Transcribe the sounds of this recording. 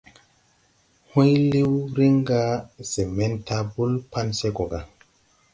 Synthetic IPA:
hũ˦jli˦wɾi˦ŋɡa˦z̥e˨me˦nta˦bu˦lpa˦nse˦ɡo˨ɡa˨

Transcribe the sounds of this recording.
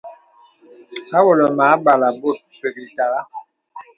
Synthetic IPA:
a˦wɔ˨lɔ˨maː˨˦ba˨la˨bo˦˨t̚ | pe˨ɡi˨ta˨la˦

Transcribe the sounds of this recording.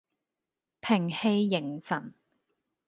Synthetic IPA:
pʰɪ˨˩ŋhe˧jːɪ˨˩ŋsɐ˨˩n

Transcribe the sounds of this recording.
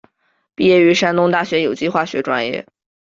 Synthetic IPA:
pi˥˧jɛ˥˩y˧˥ʂa˥nt̪ʊ˥ŋt̪a˥˩ɕɥɛ˧˥jo˨˩ʊt͡ɕi˥˧xwa˥˩ɕɥɛ˧˥ʈ͡ʂwa˥njɛ̰˥˩

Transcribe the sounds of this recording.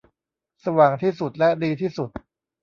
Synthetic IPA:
sa˧waː˨˩ŋt̪ʰiː˥˩su˨˩t̪̚lɛ˦˥diː˧t̪ʰiː˥˩su˨˩t̪̚

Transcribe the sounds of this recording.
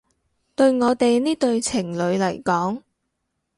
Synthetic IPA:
t̪ɵ˧ɥŋɔː˨˧t̪e˨jniː˥t̪ɵ˧ɥt͡sʰɪ˨˩ŋlɵ˨˧ɥlɐ˨˩jkɔː˨˥ŋ

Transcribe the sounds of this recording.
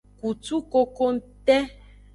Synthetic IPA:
ku˨tu˦ko˦ko˦n̩˦t̪ɛ˦

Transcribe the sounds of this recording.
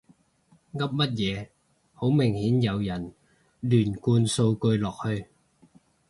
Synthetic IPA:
ŋɐ˥p̚mɐ˥t̚jɛː˨˧ | ho˨˥wmɪ˨˩ŋhiː˨˥njɐ˨˧wjɐ˨˩n | lyː˨˩nkuː˧nso˧wkɵ˧ɥlɔː˨k̚hɵ˧ɥ

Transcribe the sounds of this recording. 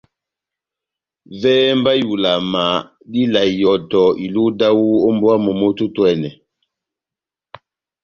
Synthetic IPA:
vɛː˦mba˦ju˨la˨ma˨ | di˦la˨jɔ˨tɔ˨i˨lu˦da˦wu˦o˦mbwa˦mo˨mo˦tu˦twɛ˨nɛ˨

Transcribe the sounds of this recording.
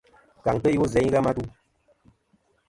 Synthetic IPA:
ka˨ŋtə˦ju˦zɛ˨˦ɲ˦ɣa˦ma˦tu˦

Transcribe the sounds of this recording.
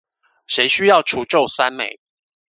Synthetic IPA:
ʃe˧˦ɪɕy˦jɑ˥˨ʊʈ͡ʂʰu˨˥ʈ͡ʂo˥˨ʊswa˦˥nmḛ˨˩˦ɪ

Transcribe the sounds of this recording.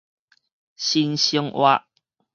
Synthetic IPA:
ɕi˦nɕi˦ŋwa̰˦

